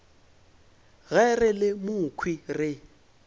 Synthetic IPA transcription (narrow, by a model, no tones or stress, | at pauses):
ɣɛrɪlɪmʊkʰwirɪ